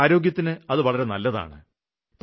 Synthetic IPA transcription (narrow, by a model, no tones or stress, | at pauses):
ɾo̞ːɡjɐt̪ːinɨɐðɨʋɐɭɐɾe̞nɐlːɐða̰ːɳɨ̰ | p